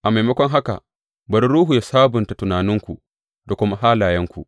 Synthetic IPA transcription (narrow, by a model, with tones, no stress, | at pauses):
ʔa˨ma˨jmɐ˦kʷɔ˦ŋɦa˦ka̰˨ | bɐ˨ɾi˦ɾuː˦ɦu˨ja˨saː˦bʊ˨nta˨tʊ˨naː˨nɪ˦ŋkʷu˨ | da˨kʷʊ˦ma˦ɦaː˦laː˨jɐ˦ŋkʷu˨ʔ